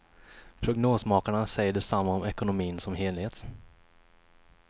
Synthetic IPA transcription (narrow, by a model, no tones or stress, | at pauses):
pʰɾʊɡnoːsmɑːkaɳasɛjəɖɛsamːaɔmɛkʊnʊmiːnsɔmheːlheːt̪